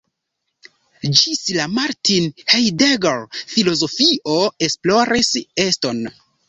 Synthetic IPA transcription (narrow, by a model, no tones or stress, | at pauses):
d͡ʒislamaɾtinhejdeɡelfilo̞zo̞fiʔo̞esploɾisesto̞n